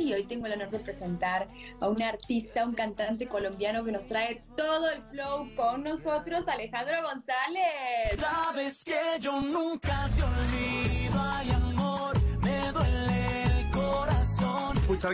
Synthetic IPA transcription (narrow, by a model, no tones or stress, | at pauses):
io̞jt̪e̞ŋɡo̞lanoɾðepɾe̞se̞nt̪aɾ | aunaɾt̪ist̪auŋkant̪ant̪eko̞lo̞mbjano̞ke̞no̞st̪ɾae̞t̪oðo̞elflowkoŋno̞sot̪ɾo̞sale̞xand̪ɾoɣo̞nsalessaβeskeʝonũŋkat̪eolβiðoajamoɾmeðwelelkoɾasonut͡ʃa